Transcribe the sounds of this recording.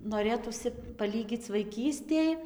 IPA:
noːˈrʲeːtuːsʲɪ pɐˈlʲiːɡʲiːt͡s ʋɐɪˈkʲiːsʲtʲeːj

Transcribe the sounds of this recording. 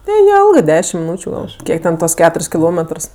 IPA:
nʲɛˈjɛlˠɡɜ ˈdʲæːʃʲɪm mʲɪˈnuːt͡ʃʲʊ ˈɡɐlˠ ˈkʲiɛk tʲɛn ˈtuɔs ˈkʲæːtʊrʲsʲ kʲɪˈlˠoːmʲɛtrs

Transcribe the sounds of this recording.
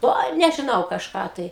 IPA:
ˈoːɪ nʲɛʒʲɪˈnɐʊ kɐʃˈkɑː tɐɪ

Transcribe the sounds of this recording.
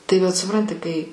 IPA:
tɐɪ ʋɐt sʊˈprɐnʲtʲɪ kɐɪ

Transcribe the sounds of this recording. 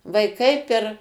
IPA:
ʋɐɪˈkɐɪ pʲɛr

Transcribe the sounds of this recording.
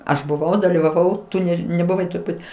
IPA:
ˈɐʃ bʊˈʋɐʊ dɐlʲiːʋɐˈʋɐʊ ˈtʊ ˈnʲɛʃ nʲɛbʊˈʋɐɪ tʊrˈbuːt

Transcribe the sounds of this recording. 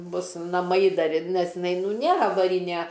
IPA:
ˈbʊs nɐˈmɐɪ ˈdɐr ɪr ˈnʲɛs ɪˈnɐɪ ˈnʊ ˈnʲeːr ɐʋɐˈrʲɪnʲɛ

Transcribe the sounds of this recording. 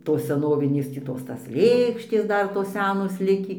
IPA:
ˈtoːs sʲɛˈnoːʋʲɪnʲeːs tʲiː ˈtoːs ˈtɐs ˈlʲeːkʃʲtʲeːs ˈdɐr toːs ˈsʲæːnoːs ˈlʲɪkʲiː

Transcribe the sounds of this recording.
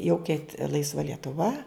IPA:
jɛʊ kʲɛɪt ˈlˠɐɪsʋɐ lʲiɛtʊˈʋɐ

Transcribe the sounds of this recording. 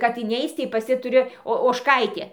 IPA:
kɐt ɪˈnʲɛɪt͡s tɐɪ pɐs ˈjɪ tʊˈrʲɪ oː oːʃˈkɐɪtʲeː

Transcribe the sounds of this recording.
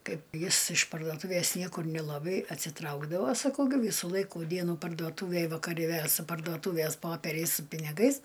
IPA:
ˈkɐɪp ˈjɪs ɪʃ pɐrdoːˈtuːʋʲeːs ˈnʲiɛkʊr nʲɪlˠɐˈbɐɪ ɐtʲsʲɪˈtrɐʊɡdɐʋoː sɐˈkɐʊ ɡʲɪ ˈʋʲiːsuː ˈlˠɐɪkuː ˈdʲiɛnuː pɐrduɔˈtuːʋʲeːj ʋɐkɐˈrʲɪ ʋʲeː sʊ pɐrduɔˈtuːʋʲeːs ˈpoːpʲɛrʲɛɪs sʊ pʲɪnʲɪˈɡɐɪs

